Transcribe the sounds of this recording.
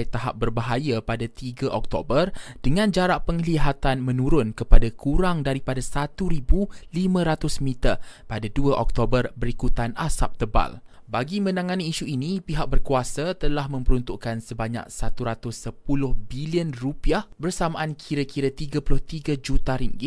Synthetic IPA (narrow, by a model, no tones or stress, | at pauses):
jt̪aɦa̰p̚bərbaɦajapadat̪iɡaʔɔk̚t̪obərdəŋãnd͡ʒaɾaʔpəŋliɦat̪anmə̃nũɾʊnkəpadakʰuɾaŋdaɾipadasat̪uɾibulimə̃ɾat̪ʊsmit̪apadaduaʔɔk̚t̪obərbəɾikut̪anasap̚t̪əba̰l | baɡimə̃naŋaniːʃuinipiɦak̚bərkuasat̪əlahmə̃mpəɾunt̪uʔkansəbaɲa̰k̚sat̪uɾat̪ʊsəpulʊhbiliənrupiahbərsamaʔankʰiɾakiɾat̪iɡapulʊht̪iɡad͡ʒut̪aɾiŋɡɪ